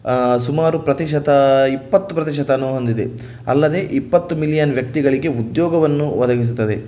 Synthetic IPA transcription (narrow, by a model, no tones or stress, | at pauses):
sumaːɾupɾɐt̪iʃɐt̪ɐipːɐt̪ːupɾɐt̪̬iʃɐt̪ɐnːuɦond̪id̪e̞̰ | ɐ̰lːɐd̪e̞ʔipːɐt̪ːumilijɐnʋjɐk̚t̪iɡɐɭiɡe̞ud̪jɔːɡɐʋɐnːuʋɐd̪ɐɡis̬ut̪ːɐd̪e̞